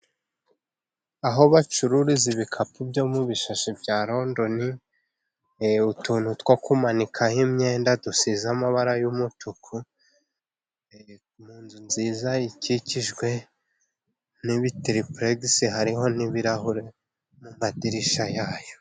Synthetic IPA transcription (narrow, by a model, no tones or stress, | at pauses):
aɦo̞βat͡ʃuɾuɾiziβikʰapubjo̞muβiʃaʃibjaːɾo̞ndo̞ni | utuːn̥hutwokumanikʰahimɲe̞ːndadusizamaβaɾajumutukʰu | e | muːnzunziːzaiciciʒɡwe̞ | niβitɾipɾeɡsiɦaɾiɦo̞niβiɾahuɾe̞ | mumadiɾiʃajaːjo̞